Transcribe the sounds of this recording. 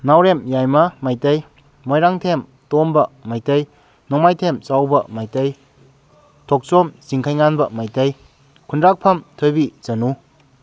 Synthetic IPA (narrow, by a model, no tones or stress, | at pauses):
nawɾemjajmɐmajtɐj | mojɾaŋtʰem | tɔmbɐmajtɐj | nɔmajtʰemsawbɐmajtɐj | tʰɔk̚sɔmziŋkʰajŋanbɐmajtɐj | kʰundɾak̚pʰɐmtʰojbizɐnu